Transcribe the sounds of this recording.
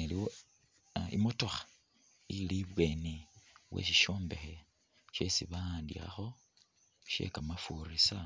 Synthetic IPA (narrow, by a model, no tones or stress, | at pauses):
eliwo | ḭmoto̞xḁ | iliβweːniwʔḛʃiʃo̞ːmbe̞xe | ʃe̞siβandḭra̰xo̞ | ʃḛkamafurisa